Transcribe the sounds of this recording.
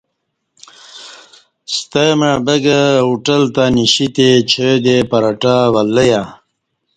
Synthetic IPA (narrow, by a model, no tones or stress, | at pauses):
st̪emabəɡəuʈəlt̪aniɕit̪et͡ɕʰed̪epɐɾaʈawalːəja